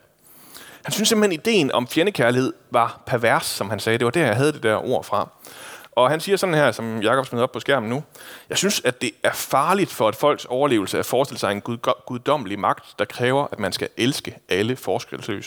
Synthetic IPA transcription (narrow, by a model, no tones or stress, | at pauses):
hænsynsemb̩henid̥e̝̰ːnʔɒ̽mfjenəkʰæɐlihe̝ð̞̰ˠʋɑ̈pʰæɐʋæɐsːɒ̽mhænsɛːd̥e̝ʋɑ̈d̥æɐjɑ̈ɪɦæð̞̩ˠd̥e̝d̥æɐʔo̝ɐ̰fʁɑ̈ʔɒ̽ɦænsiːɐsɒ̽d̥n̩hæɐ̰sɒ̽mjɑ̈kʰɒ̽b̥smenð̩ˠɒb̥pʰɒ̽sɡ̥æɐ̰mn̩nujɑ̈ɪsynsædd̥e̝æɐfɑ̈ːlid̥fɒ̽æd̥fɒ̽l̰ɡ̥sɒʊɐle̝̰ːʊl̩səæfɒːsd̥e̝ləsɑ̈ɪenɡ̥uðˠd̥ɒ̽m̰əlimɑ̈ɡ̥̚d̥ːɑ̈kʰʁɛːʊɐʔæd̥mænsɡ̥æʔelsɡ̥əʔæləfɒːsɡ̥ʁelslø̰ːs